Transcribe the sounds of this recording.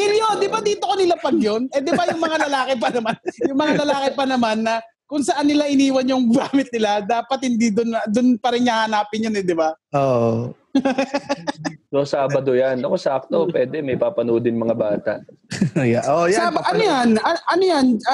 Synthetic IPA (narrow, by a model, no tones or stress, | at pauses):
ɪljond̪ɪbad̪iːt̪okonɪlapɐɡjonɛd̪ɪbajʊŋmɐŋalɐlaːkɪp̬ɐnɐmanjʊŋmɐŋalɐlaːkɪpɐnɐmanːɐ | kʊŋsɐʔanːɪlaʔɪniːwɐnjʊŋɡaːmɪt̪̚nɪlad̪aːpɐt̪̚hɪnd̪id̪ʊnd̪ʊnpɐɾɪŋɲɐhɐnaːpɪnjonɛd̪ɪbaʔoʔ | sosaːbɐd̪ojanɐkosɐʔɐk̚t̪opwɛːd̪ɛmɐjpaːpɐnoːd̪ɪnmɐŋabaːt̪a̰ʔ | jaʔojabaʔɐnojanɐʔɐnojan